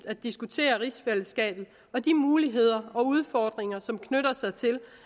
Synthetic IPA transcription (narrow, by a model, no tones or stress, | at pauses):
d̥æd̥isɡ̥ut͡sʰe̝̰ːɐʁisfel̰əsɡ̥ɛ̰ːb̥ð̩ˠ | ɒ̽d̥imuːliɦe̝ð̞̰ˠɐɒ̽uð̞ˠfɒːd̥ʁeŋɐsɒ̽mkʰnøɾɐsɑ̈ɪt͡sʰe̝l